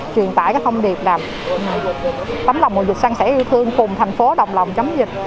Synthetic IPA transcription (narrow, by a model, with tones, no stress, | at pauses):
t͡ɕwi˨˩ənt̪a̰ː˧˨kaː˦˥k̚t̪ʰə˧wŋ͡mɗi˨˩əp̚laː˨˩m˨˩ | t̪ə˨˦mla˨˩wŋ͡mko̰˨˧˩zi˨˩sa˧ŋsɛ̰˧˥ʔi˧wt̪ʰɨ˧əŋfʊ˨˩ŋ͡mt̪ʰjŋ̟fo˨˦ɗə˨˩wŋ͡m̚lə˨˩wŋ͡mt͡ɕə˨˦mzï˨˩k̚